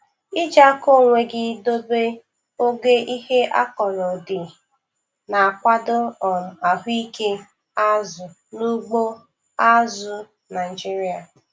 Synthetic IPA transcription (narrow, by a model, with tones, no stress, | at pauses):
i˦d͡ʒa˦ko˦˨ŋʷe˨ɡɪ˦do˦be˦ | o˦ɡe˦ʔi˦he˦ʔa̰˦kɔ˨lɔ˨dɪ˨ | na˨a˨kʷa˦dʊ˦ɔ˨a˨ɦi˦ke˦ | a˦zʊ˨ | nu˦ɡ͡bo˦ | a˦zʊ˨ | na˨i˨d͡ʒi˦ɾi˦a˨